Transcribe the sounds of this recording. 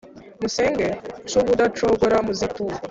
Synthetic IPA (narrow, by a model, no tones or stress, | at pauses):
musɛŋɡet͡ʃuβudatɾɔɡoɾamuzikuːa